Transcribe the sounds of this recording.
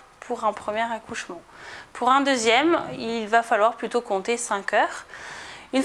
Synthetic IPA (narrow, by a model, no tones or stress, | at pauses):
pʰuʁɛ̃pχəmjɛʁakuʃmɑ̃ | pʰuʁɛ̃d̪øzjɛmilvafalwaʁplyt̪okɔ̃t̪esɛ̃kʲœːʁ | yn